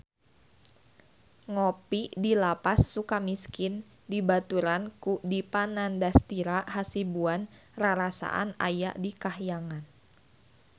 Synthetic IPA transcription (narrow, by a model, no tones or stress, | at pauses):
ŋopidilapasːukamiskin | dibat̪uɾankudipanandast̪iɾaʔhasibuanraɾasa̰ʔa̰na̰ja̰ʔdikahjaŋan